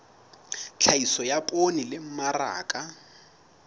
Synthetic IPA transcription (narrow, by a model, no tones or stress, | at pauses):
t͡ɬʰaisɔjapʼonilɪm̩mara̰ːkʼa